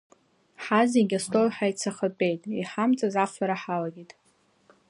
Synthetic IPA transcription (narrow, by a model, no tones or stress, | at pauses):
ħaziɡʲastʼojħajt͡sʰaχəpʼejtʼiħamt͡sʼazafaɾaħalaɡʲitʼ